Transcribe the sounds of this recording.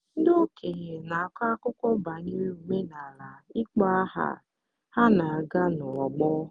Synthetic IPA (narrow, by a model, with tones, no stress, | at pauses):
n̩˦do˦kʰe˨ɲe˨na˨a˨ka˦kʊ˦kʷɔ˦ba˨ni˦ɾe˦u˨me˦na˨la˨i˦k͡pa˦a˦ɦa̰˨ | ha˦na˨a˨ɡa˦nʊ˨ɔ˨ɡ͡bɔ˦